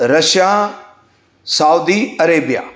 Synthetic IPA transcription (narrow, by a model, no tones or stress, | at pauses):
ɾɐʃjaː | saːwd̪iɐɾeːbija̰ː